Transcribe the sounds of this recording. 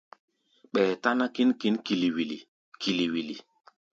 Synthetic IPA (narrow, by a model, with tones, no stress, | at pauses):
ɓɛː˨ta˦na˦ki˦nki˦nki˨li˨wi˨li˨ | kʰi˨li˨wi˨li˨